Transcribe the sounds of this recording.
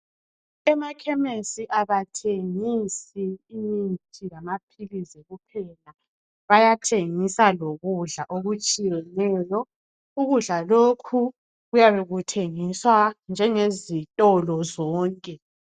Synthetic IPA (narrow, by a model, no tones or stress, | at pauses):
ɛmakʰɛmesiʔaβatʰeŋisiːjintʰʼilamapʰilizɛɣupʰɛla | βajatʰeŋisaloɣuɮaʔoɣut͡ʃʼijɛnɛːjɔ | uɣuɮalokʰu | ɣujaβeɣutʰeŋiswand͡ʒʱɛŋezitʼɔlɔzɔːŋkʼɛ